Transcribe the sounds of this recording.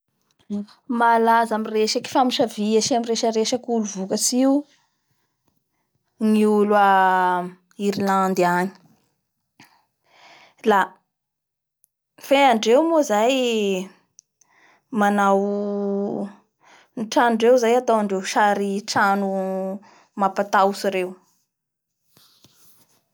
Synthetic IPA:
malazamireʃaki̥famiʃaviaʃiamiɾeʃəɾeʃəkuluvukət͡siu | ŋiulua | iɾiland̪iaɲi̥ | la | feaɳɖ͡ʐewmozaj | manaw | niʈ͡ʂanuɳɖ͡ʐewzajat̪awaɳɖ͡ʐewʃaɾiʈ͡ʂanu | mapat̪awsiɾew

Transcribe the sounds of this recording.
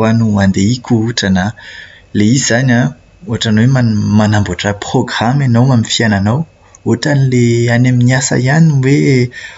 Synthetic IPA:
anuand̪eikʲuuʈ͡ʂana | leizizana | oɦaʈ͡ʂanwemamanambuaʈ͡ʂəproɡramanawmamifiananaw | oɦaʈ͡ʂanileanaminiasa̰ianiwe

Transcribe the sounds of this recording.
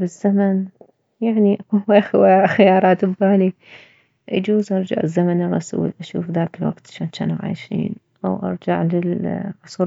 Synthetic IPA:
bɪzːaman | jaʕniʔaquaxwaxajɑːɾˤɑːt̪ɪbːaːli | ʔa̰d͡ʒuːzʔɑɾˤd͡ʒa̰ʕɪzːamanʔaɣˤasṵːlʔaʃṵːfðaːkɪlwa̰ɡt̪ʃaːnt͡ʃa̰ːnaʕa̰ːjʃḭːn | ʔa̰wʔɑ̰ɾˤd͡ʒaʕlɪlħʊsˤuː

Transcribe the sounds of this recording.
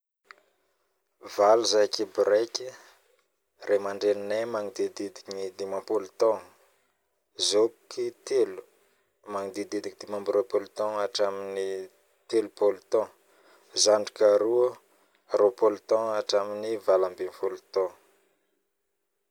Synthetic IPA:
valuzajkibɾeki | rʔemaɳɖ͡ʐennemaŋid̪ed̪id̪i̥kɲid̪imãmpulut̪ɔ̃ŋ | zokit̪elu̥ | maŋid̪id̪ed̪ikid̪imãmbɾopolit̪ɔ̃ŋaʈ͡ʂamini | t̪elupolut̪ɔ̃ | zaɳɖ͡ʐikaɾu | ɾopolut̪ɔ̃aʈ͡ʂaminivalambimfulut̪ɔ̃

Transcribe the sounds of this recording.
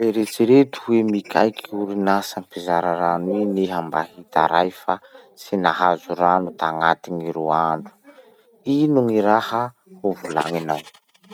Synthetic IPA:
eɾet͡siɾet̪u̥wemikʲʰa̰jkʰiuɾinasampizaɾaɾanineɦambahit̪a̰ɾajfa | sinaɦazuɾanut̪aŋat̪iŋiɾuaɳɖ͡ʐu̥ | inuŋiɾahə | huvula̰ŋinaw

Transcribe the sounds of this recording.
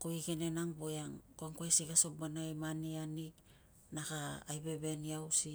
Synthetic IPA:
koiɡenenaŋbojaŋkoaŋkoesiɡaso̞bbanaimanianik | naɡaːjbe̞βe̞niawsi

